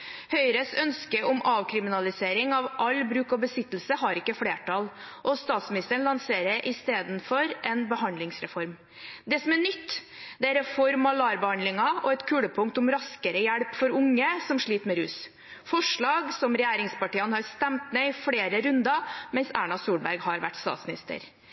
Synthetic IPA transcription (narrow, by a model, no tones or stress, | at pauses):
hœʏɾəsœnskəʔɔmɑːʋkʰɾɪmɪnɑlɪseːɾɪŋɑʋʔɑlbɾʉːkɑbəsɪt̪ːl̩səɦɑɾɪkːəfɽeːʈʰɑl | ʔɔst̪ɑːt̪smɪnɪst̪əəɳ̩lɑnseːɾəɾʔɪst̪eːd̪nfɔɾʔɛnbəhɑnd̪lɪŋsɾɛfɔɾm | d̪ɛsɔmæɳʏt̪ː | d̪ɛæɾɛfɔɾmɑlɑːɾbəhɑnd̪lɪŋɑɔɛt̪kʰʉːɽəpʰʊŋk̚t̪ʊmɾɑskəɾəjæɽpfɔɾʊŋːəsɔmʂɭiːt̪mɛɾʉːs | fɔʂɭɑːɡsɔmɾɛjæːɾɪŋspɑʈiːənhɑɾst̪ɛmt̪meɪfɽeːɾəɾʉnd̪ɑmɛnsæ̰ːɳɑsuːɽbæɾɡhɑɾʋæ̰ʈːst̪ɑ̰t̪smɪnɪ̰st̪ə̰ɾ